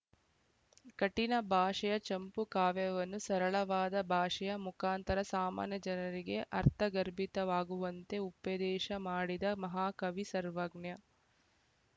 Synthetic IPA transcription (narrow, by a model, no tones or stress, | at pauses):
kɐʈinɐbʱaːʂɐjɐt͡ʃɐmpukaːʋjɐʋɐnːusɐɾɐɭɐʋaːd̪ɐbʱaːʂɐjɐmukaːnt̪ɐɾɐsaːma̰ːnjɐd͡ʒɐnɐɾiɡe̞ʔɐɾt̪ʰɐɡɐɾbʱit̪ɐʋaːɡuʋɐnt̪e̞upːɐd̪ɛːʃɐmaːɽid̪ɐmɐɦaːkɐʋisɐɾʋɐɡɳjɐ